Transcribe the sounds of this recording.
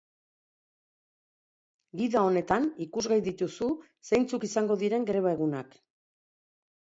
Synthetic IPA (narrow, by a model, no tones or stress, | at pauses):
ɡiðao̞ne̞t̪anikuzɣajðit̪usu | sejnt͡sukisaŋɡo̞ðiɾe̞ŋɡɾe̞β̞ae̞ɣunak